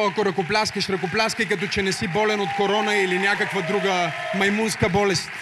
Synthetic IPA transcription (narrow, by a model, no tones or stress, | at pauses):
ɐkoɾɐkoplʲaskəʃɾɐkoplʲaskəjkɐt̪ɔt͡ʃɛnɛsibɔlɛnot̪koɾɔnəilinʲjakəkvəd̪ɾuɡəmɐjmunskəbɔlɛst̪